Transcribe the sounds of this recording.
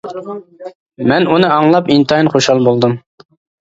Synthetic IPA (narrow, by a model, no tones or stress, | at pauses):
mɛnunɨɑŋlˠɑpint̪ɑinχoʃhɑlˠbolˠd̪um